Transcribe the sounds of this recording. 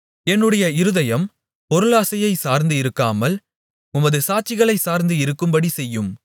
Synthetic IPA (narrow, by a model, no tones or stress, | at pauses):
ɛnːɯɽɐjɐɪɾɯðɐjɐm | pɔɾɯɭaːsɐjɐɪsaːɾnd̪ɯɪɾɯkːaːmɐl | ʊmɐðɯsaːt͡ʃɪɣɐɭɐɪsaːɾnd̪ɯɪɾɯkːɯmbɐɽisɛjːɯm